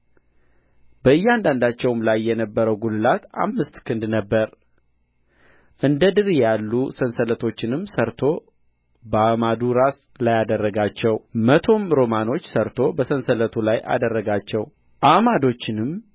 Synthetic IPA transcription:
bəɨjːand̪and̪at͡ʃːɛwmlajːɛnəbːəɾəwɡulɨlat̪a̰mːɨst̪kʰɨnd̪nəbːəɾ | ʔɨnd̪əd̪ɨɾijalːusənsələt̪ʰo̞t͡ʃːɪnɨmsəɾt̪ʰo̞ | bəamad̪uɾas | lajad̪ərːəɡat͡ʃːɛwmət̪ʰo̞mɾo̞mano̞t͡ʃːsəɾt̪ʰo̞bəsənsələt̪ʰulaja̰d̪ərːəɡat͡ʃːɛw | ʔamad̪o̞t͡ʃːɪnɨm

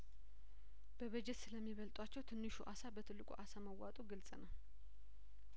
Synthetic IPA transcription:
b̥əβəd͡ʒɛt̪sɨləmːiβəlt̪ʼwat͡ʃːɛwt̪ʰɨnːɨʃuʔasabət̪ʰɨlːɨkʼṵʔasaməwat̪ʼuɡɨlsʼənəw

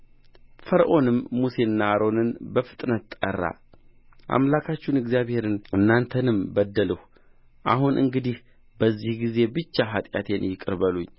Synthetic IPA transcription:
fəɾʔo̞nɨmːuse̞nːaːɾo̞nɨnbəfɨ̥t̪ʼnət̪ːʼə̰rːa̰ | ʔa̰mlakʰat͡ʃːunɨɡzijaβhe̞ɾɨnɨnːant̪ʰənɨmbəd̪ːələh | ʔa̰hunʔɨ̰ŋɡɨd̪ih | bəzːihɡize̞bɨt͡ʃːaɦat̪ʼja̰t̪ʰe̞njɪkʼɨɾbəluɲː

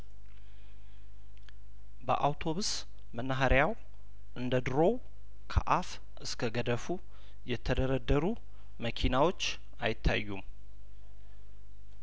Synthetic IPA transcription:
bə̰ʔawt̪ʰo̞βus | mənːaɦaɾjaw | ʔɨnd̪əd̪ɨɾo̞w | kʰə̰ʔaf | ɨskʰəɡəd̪əfu | jɛt̪ʰəd̪əɾəd̪ːəɾu | məkʰinawo̞t͡ʃː | a̰jɪt̪ʰːa̰jːum

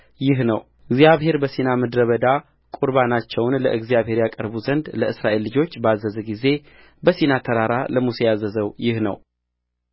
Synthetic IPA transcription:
jɪɦnəw | ɨɡzijaβɦe̞ɾbəsinaməd̪ɾəβəd̪a | kʼuɾbanat͡ʃːɛwnləʔɨɡzijaβhe̞ɾjakʼəɾbuzənd̪ləɨsɾaʔe̞lːɨd͡ʒo̞t͡ʃːbəazːəzəɡize̞ | bəsinat̪ʰəɾaɾaləmusejazːəzəwjɪhnə̰w

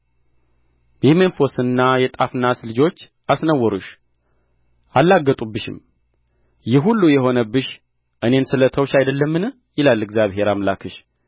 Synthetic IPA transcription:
bimenfo̞sɨnːajɛt̪ʼafnːaslɨd͡ʒo̞t͡ʃː | asnəwːɔɾuʃ | ʔalːaɡːət̪ʼubːɨʃɪ̰m | jɪɦulːujɛɦo̞nəbːɨʃ | ʔɨne̞nsɨlət̪ʰəwʃajd̪əlːəmːɨn | jɪlalɨɡzjaβɦe̞ɾamlakʰɨʃ

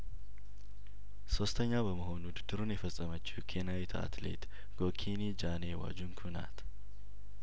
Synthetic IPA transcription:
so̞st̪ʰəɲːabəməɦo̞nud̪ɨd̪̥ɨɾunjɛfəsʼːəmət͡ʃːikʰenawit̪ʰa̰t̪lḛt̪ | ɡ̥o̞kʰinid͡ʒanewa̰d͡ʒunkʰuna̰t̪

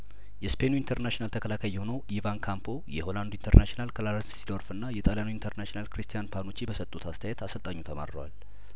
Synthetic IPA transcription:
jɛspʰe̞nuint̪ʰəɾnaʃinalt̪ʰəkʰəlakʰajːɛho̞nəwʔivankʰampʰo̞jɛho̞land̪oint̪ʰəɾnaʃinalkʰəlaɾssid̪oɾfɨnːajɛt̪ʼaljanuint̪ʰəɾnaʃinalkɾist̪ijanpʰano̞t͡ʃːibəsət̪ʼut̪ʰast̪ʰəjɛt̪asəlt̪ʼaɲːut̪ʰəma̰ɾɾəwa̰l

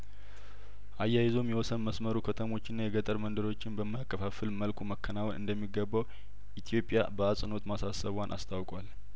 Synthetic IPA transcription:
ʔajːajɪzo̞mjɛwɔsənməsməɾukʰət̪ʰəmo̞t͡ʃːɪnːajɛɡət̪ʼəɾmənd̪əɾo̞t͡ʃːɪnbəmːajakːəfafɨlməlkʰuməkʰːənawnʔɨ̰nd̪əmːiɡəbːaw | ʔit̪ʰijo̞pʼːja̰bəasʼɨno̞t̪masasəβwanʔa̰st̪ʰawkʼwal

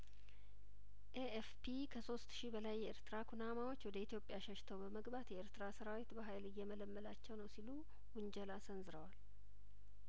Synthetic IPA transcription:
ʔeefpʰikʰəso̞st̪ʃibəlajːɛʔḛɾt̪ɨɾakʰunamawo̞t͡ʃːwɔd̪əit̪jo̞pʼːjaʃəʃt̪ʰəwbəməɡbat̪jɛeɾt̪ɨɾasəɾawit̪bəɦajlɨjːɛmələmːəlat͡ʃːɛwnəwsilu | wʊɲd͡ʒɛlasənzɨɾəwal

